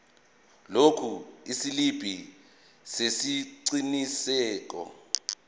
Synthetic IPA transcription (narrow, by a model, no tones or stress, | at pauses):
lokʰuisilib̥ʱi | sesiǀinisɛːk̬ɔ̰